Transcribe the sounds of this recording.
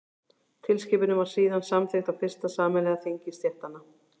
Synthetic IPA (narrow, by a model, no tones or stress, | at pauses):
t̪ʰɪlscɪːpɪnʏmvaɾ̥siːðansamθext̪awfɪr̥st̪asaːmɛlɛɣaθeɲcɪst̪jɛht̪anːa